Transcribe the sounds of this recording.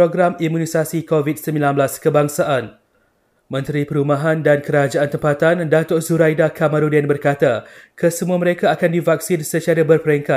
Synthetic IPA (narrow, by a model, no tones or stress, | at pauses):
pɾoɡɾamimũnisasikovit̪̚səmbilanbəlaskəbaŋsaʔan | mə̃nt̪ɾipəɾumaɦandankəɾad͡ʒaant̪əmpat̪andat̪orzuɾajdakamãɾudɛnbərkat̪akəsəmuaməɾekaːkandivak̚sinsət͡ʃiaɾabərpəɾɛŋkat̪̚